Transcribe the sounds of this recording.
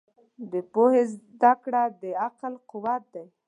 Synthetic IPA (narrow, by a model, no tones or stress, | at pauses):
d̪əpohezd̪akɽad̪əaqalqʊwat̪̚d̪aj